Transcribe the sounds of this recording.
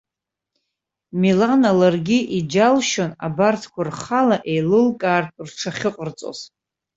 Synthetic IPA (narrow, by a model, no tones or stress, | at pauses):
milanalarɡʲiʔid͡ʒalʃona̰bartʰkʷarχalaʔe̞jlɨlkʼaːrrʈ͡ʂʰaχʲɪqʼərt͡sʼo̰z̥